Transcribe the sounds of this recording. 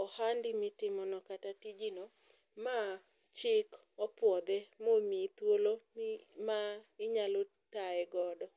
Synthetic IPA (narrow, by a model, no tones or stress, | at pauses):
ɔhandɪmɪtɪmɔnɔkatatid͡ʒino | ma | t͡ʃɪk | ɔpwɔd̪ɛmomit̪wolomaɪɲalo | taɛɡɔdɔ